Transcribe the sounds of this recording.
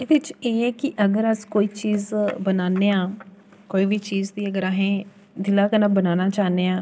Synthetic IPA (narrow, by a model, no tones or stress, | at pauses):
eːd̪ɪt͡ʃeːɛːkɪʔəɡəɾəskoːiːt͡ʃiːzbənaːneːãː | koːiːʋiːt͡ʃiːzd̪iːəɡəɾaːɦẽː | d̪ɪlaːkənaːbənaːnaːt͡ʃaːneːãː